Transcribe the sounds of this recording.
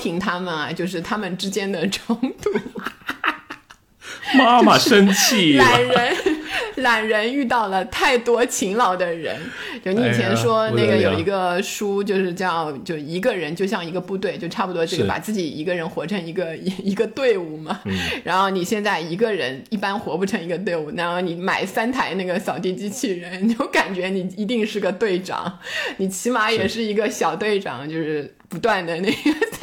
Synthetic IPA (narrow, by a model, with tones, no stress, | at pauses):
t̪ʰi˧˥ŋt̪ʰa˥mə˨nɐ˩t͡ɕjo˥˧ʊʂ̬ɻ̩˥˩t̪ʰa˥mə˨nʈ͡ʂɻ̩˥t͡ɕjɛ˥nd̪ə˨ʈ͡ʂʰɤ˧˥ŋt̪u˧˥ | ma˥mɐ˨ʂə˥nt͡ɕʰi˥˩la˨˩nɻə˧˥nla˨˩nɻə˧˥ny˥˧t̪ɑ˥˩ʊlə˩t̪ʰa˥˩ɪt̪wɔ˥t͡ɕʰi˧˥ŋlɑ˨˩ʊd̪ə˦ɻə̰˧˥n | t͡ɕjo˥˧ʊni˥˨˧t͡ɕʰjɛ˧˥nʂwɔ˥ne˥˩ɡə˩jo˨˩ʊi˧˥ɡə˧ʂu˥t͡ɕjo˥˧ʊʂɻ̩˥˧t͡ɕjt͡ɕjo˥˧ʊʂɻ̩˩i˧˥ɡə˧ɻə˧˥nt͡ɕjo˥˧ʊɕjɑ˥˩ŋi˧˥ɡə˧pu˥˧t̪we˥˩ɪt͡ɕjo˥˧ʊʈ͡ʂʰa˥˩pu˨˩t̪wɔ˥ʈ͡ʂe˥˩ɡə˨˩pa̰˨˩t͡sɹ̩˥˩t͡ɕi˨˩ḭ˧˥ɡə˧ɻə˧˥nxwɔ˧˥ʈ͡ʂʰɤ˧˥ŋi˧˥ɡə˧i˧˥ɡə˧t̪we˥˧ɪu˥˩mɐ˩ɻa˧˥nxo˥˩ʊni˨˩ɕjɛ˥˧nt͡sa˥˩ɪi˧˥ɡə˧ɻə˧˥ni˥˩pa˥nxwɔ˧˥pu˥˩ʈ͡ʂʰɤ˧˥ŋi˧˥ɡə˧t̪we˥˧ɪu˥˩na˧˥nxo˥˩ʊni˧˩˦ma˨˩ɪsa˥nt̪ʰa˧˥ɪna˥˩ɡə˩ɕjɑ˨˩ʊt̪i˥˧t͡ɕi˥t͡ɕʰi˥˩ɻə˧˥nt͡ɕjo˥˩ʊka˨˩nt͡ɕɥɛ˧˥ni˨˩i˧˥t̪̬i˥˧ŋʂɻ̩˥˩ɡə˩t̪we˥˩ɪʈ͡ʂɑ̰˨˩˦ŋni˨˩t͡ɕʰi˧˥ma˧˥jɛ˨˩ʂɻ̩˥˩i˧˥ɡə˧ɕjɑ˨˩ʊt̪we˥˩ɪʈ͡ʂɑ̰˨˩˦ŋt͡ɕjo˥˧ʊʂɻ̩˥˩ | pu˧˥t̪wa˥˩nd̪ə˩ne˥˩ɪɡə˩